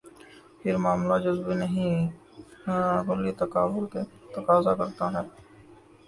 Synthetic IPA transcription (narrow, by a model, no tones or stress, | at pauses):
pʰɪɾmaːmlad͡ʒʊzbinəɦĩ | ɡʊlit̪ɐkaːʋʊlket̪ɐkaːzakɐɾt̪aɦɛː